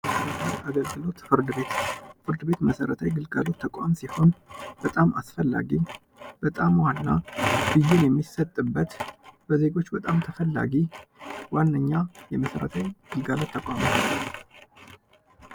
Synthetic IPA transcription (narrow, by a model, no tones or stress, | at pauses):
əsəɾət̪ʰanaɡəlɡɨlo̞t̪fɨɾd̪ɨbe̞t̪fɨɾd̪ɨbe̞t̪məsəɾət̪ʰajɡɨlɡalo̞t̪ʰːəkʼamsiho̞nb̥ət̪ʼama̰sfəlːa̰ɡi | b̥ət̪ʼamwanːab̥ɨjːenjɛmːisət̪ʼːɨbːət̪b̥əze̞ɡo̞t͡ʃːbət̪ʼamt̪ʰəfəlːa̰ɡiwanːəɲːajɛməsəɾə̰t̪ʰajɡ̥ɨlɡalo̞t̪ʰːəkʼamət̪ʰal